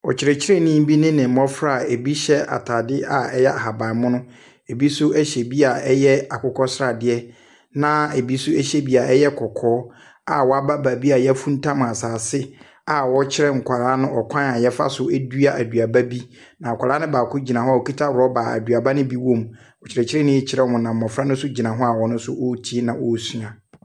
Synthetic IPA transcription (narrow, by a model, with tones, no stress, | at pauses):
ɔ̰˨t͡ɕʰɪ˨ɾɛ˨t͡ɕʰɪ˦ɾɛ˦˨nĩ˦m˦bi˦nɪ̃˦nɪ̃˨mɔ̃˦fɾa˦˨e˨bi˦ɕɛ˦a̰˨tʰa˨dɪ˦a˨ɛ˦jɛ˦a˨ha˨ba˨mʊ̃˦nʊ̃˦ | e˨bi˦sʊ˦ɛ˦ɕɛ˨bi˦a˨ɛ˦jɛ˦a˨kʰʊ˨kʰɔ˦sɾa˨dɪ˦ɛ˦ | nã˦e˨bi˦sʊ˦ɛ˦ɕɛ˦bi˦a˨ʔɛ˦jɛ˦kʰɔ˨kʰɔː˦ | a˨wɔ˨a˦ba˦baː˨bi˦a˨jɛ˦æ˦fũ˦n̩˦tʰã˦m˨a˨saː˨sɪ˦ | a˨wɔ˦t͡ɕʰɪ˦ɾɛ˦ŋ̩˨kʷʰa˨ɾaː˦nʊ̃˦ɔ˨kʰã˦na˨jɛ˦fa̰˦sʊ˦du˦a˦ʔæ˨du˨a˨ba˦bi˦ | nã˨kʷʰa˨ɾaː˦nʊ̃˦baː˨kʰʊ˦d͡ʑi˨nã˨ɦɔ̃˦a˨o˨kʰi˦tʰa˦wɔ˦baː˨æ̰˨du˨a˨ba˦nʊ̃˦bi˦wõ˦m | ɔ˨t͡ɕʰɪ˨ɾɛ˨t͡ɕʰɪ˦ɾɛ˦nɪ̃˦ɛ˦t͡ɕʰɪ˦ɛ˦ɔ˨mʊ̃˨nã˨m̩ː˨ɔ̃˨fɾa˦nʊ̃˦sʊ˦d͡ʑi˨nã˨ɦɔ˦a˨wɔ˨nʊ̃˦sʊ˦ʔo˦tʰi˦nã˨wɔ˦˨su˦a˨